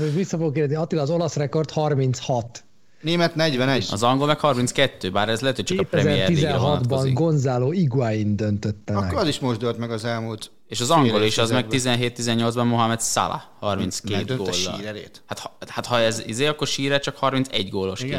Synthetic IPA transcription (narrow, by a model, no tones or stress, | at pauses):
ʋisːɒfoɡokːerd̪ɛzniɒt̪ːilɒzo̞lɒsrɛko̞rt̪hɒrmint̪shɒt̪ | neːmɛt̪nɛɟvɛnɛɒ̰zɒŋɡo̞lmɛkhɒrminskɛt̪ːøːbaːɾɛzlɛt̪ylt͡ʃɒkɒpɛɛmiɛizɛɛɦɒtd̪bɒŋɡo̞nzaːloːiɡaːjind̪ønt̪øt̪ːɛkːoɾɒziʃmoʒd̪ølt̪mɛɡɒzɛlmuːlt̪ | eːʃɒzɒŋɡo̞liʃɒzmɛk̚t̪izɛnɦeːt̪ːizɛɲːo̞ldzbɒmmoɦamɛt̪sa̰la̰hɒrminskeːd̪ɡoːlːɒilːɾɛɾḛːt̪hat̪hɒhat̪hɒɛzḭzeːɒkːo̞rʃiːɾɛt͡ʃɒkhɒrminsɛɟɡoːlːo̞ʃke